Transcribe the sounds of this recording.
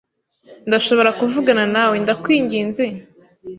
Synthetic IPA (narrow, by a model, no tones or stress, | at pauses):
ndaʃo̞βo̞ɾakuvuɡananawe̞ndakwiːɲɟiːnze̞